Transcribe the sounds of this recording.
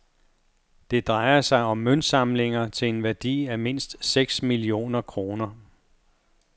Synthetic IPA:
d̥e̝d̥ʁɑ̈ɪɐsɑ̈ɪɒ̽mːønsɑ̈mle̝ŋɐt͡sʰe̝enʋæɐd̥ḭːæme̝n̰sd̥seɡ̥smilio̝̰ːnɐkʰʁo̝ːnɐ

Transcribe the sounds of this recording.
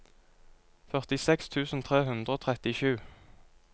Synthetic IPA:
fœʁt̪ɪsɛkst̪ʰʉːsn̩t̪ʰʁeːhʉnd̪ʁəoːt̪ʰʁɛt̪ɪʃʉː

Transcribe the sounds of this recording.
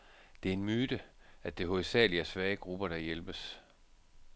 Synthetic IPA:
d̥e̝æe̝nmyːd̥əæd̥e̝ɦo̝isɛ̰ːliæsʋɛːəɡ̥ʁub̥ɐɾ̥ɑ̈jelb̥əs

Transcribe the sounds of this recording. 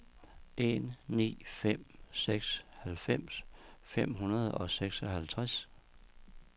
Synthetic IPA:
ʔe̝nːḭːfem̰seɡ̥shælfem̰sfem̰ɦunɐð̞̩ˠɒ̽seɡ̥sɒ̽hælt͡sʰʁas

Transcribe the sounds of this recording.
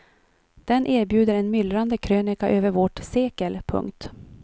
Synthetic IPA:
d̪̥ɛnʔeːɾbjʉ̟ːd̪əɾɛnmʏld̪ɾand̪əkʰɾøːnɪkaʔøːvəɾvɔʈseːkəlpʰɵ̰ŋkt̪

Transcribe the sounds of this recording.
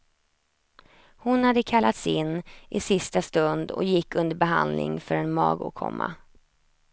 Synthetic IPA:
hʊnhad̪ːəkʰalːat̪sɪnːʔɪsɪst̪ast̪ɵnd̪ɔ̰jɪkːɵnd̪əɾbɛɦand̪lɪ̰ŋfœɾɛnmɑːɡʊkʰɔ̰mːa

